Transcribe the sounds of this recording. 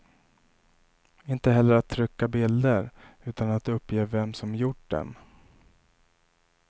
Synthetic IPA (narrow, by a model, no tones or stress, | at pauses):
ɪnt̪əɦɛlːəɾat̪ʰːɾʏkːabɪld̪əɾʉ̟ːt̪anat̪ɵpːjeːvɛmsɔmjʊʈɖɛ̰n